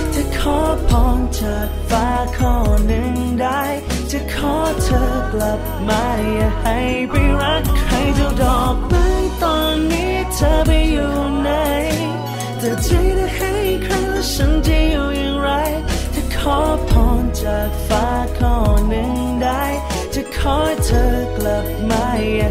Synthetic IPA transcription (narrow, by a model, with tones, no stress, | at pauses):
t͡ɕa˧˩kʰɔː˧˥pʰɔː˧˥nt͡ɕa˨˩k̚faː˧˥kʰɔ˧˩nɯ˧˩ŋda˧˩j | t͡ɕa˧˩kʰɔː˦˥tʰəː˧kla˨˩p̚ma˧ja˧˩ha˧j | bi˧ɾa˦˥tkʰɾa˧˥jta˧dɔː˨˩k̚ma˧˥ŋt̪ɔː˧˩nːi˦˥ | tʰə˧˦bi˧juː˨na˧˦j | t̪ɛ˨˩tʰi˧˥ɾa˧ha˧jkʰɾa˧˥ | ʃa˧˦˥nt͡ɕi˧˥juː˨˩ja˨˧ŋɾa˧˥jt̪ʰi˧˩kʰɔː˧˦˥pʰɔː˧˥nt͡ɕa˨˩k̚faː˧˥kʰɔː˧˩nɯ˧˩ŋ | da˧j | t͡ɕa˧˩kʰɔː˧˥jt̪ʰəː˧kla˨˩p̚ma˧˩j